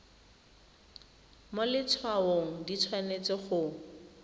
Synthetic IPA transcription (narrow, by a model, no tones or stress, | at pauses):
molɪt͡sʰwaoŋ̩dit͡sʰwanet͡sɪχʊ